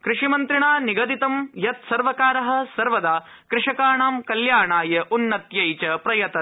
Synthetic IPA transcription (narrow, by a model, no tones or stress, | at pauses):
kɾɪʂimɐnt̪ɾiɳaːniɡɐd̪it̪ɐmjɐt̪sɐɾʋɐkaːɾɐɦɐ̆sɐɾʋɐd̪aː | kɾɪʂɐkaːɳaːmkɐljaːɳaːjɐʔunːɐt̪jɐjt͡ʃɐpɾɐjɐt̪ɐ